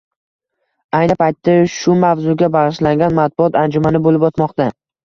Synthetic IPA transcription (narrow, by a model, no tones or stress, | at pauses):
ajnɪpajt̪ːaʃʊmavzʊɡʲabaʁɪʃlaŋɡʲanmat̪̚bʊɒt̪and͡ʒʊmanɪbolɪpɒt̪mɒqt̪a